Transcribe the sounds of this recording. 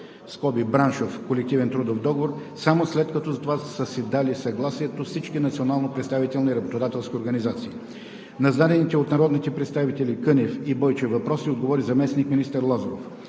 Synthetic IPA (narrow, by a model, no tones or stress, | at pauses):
skɔbibɾanʃofkolɛk̚t̪ivɛnt̪ɾud̪ofd̪ɔɡovoɾsamoslɛt̪̚kɐt̪ɔzɐt̪ovasəsid̪alisɐɡlˠasiɛt̪ofsit͡ʃkinɐt̪sionalˠnopɾɛt̪st̪avit̪ɛlˠniɾɐbot̪od̪at̪ɛlˠskʲioɾɡɐnizat̪sii | nɐzd̪ad̪ɛnit̪ɛot̪nɐɾɔd̪nit̪ɛpɾɛt̪st̪avit̪ɛlikɤnɛfibɔjt͡ʃɛvɐpɾɔsiod̪̚ɡovɔɾizɐmɛsnikminist̪əɾlˠazɾof